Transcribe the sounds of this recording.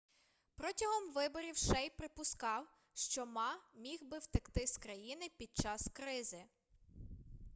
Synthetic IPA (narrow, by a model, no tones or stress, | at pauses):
pɾɔtʲɐɦɔmʋɪbɔɾʲiwʃɛjpɾɪpʊskɑw | ʃt͡ʃɔmɑmʲixbɪwt̪ɪkt̪ɪskɾɐjinɪpʲid̪̚t͡ʃɑskɾɪzɪ